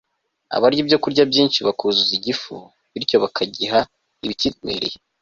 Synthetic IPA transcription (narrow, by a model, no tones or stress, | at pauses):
a̰βaɾɟobɟo̞kuɾɟabɟiːnʃiβakuzuziɟifṵ | βiɾco̞βakʰaɟiɦa | iβitimḛɾḛ